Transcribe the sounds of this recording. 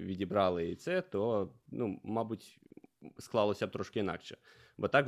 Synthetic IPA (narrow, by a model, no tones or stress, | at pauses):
ʋʲidʲibɾɑlˠɪit̪sɛt̪ɔnumɑbutʲ | sklˠɑlˠɔsʲɐt̪ɾɔʃkɪinɑ̰kʃɛ | bɔt̪ɑk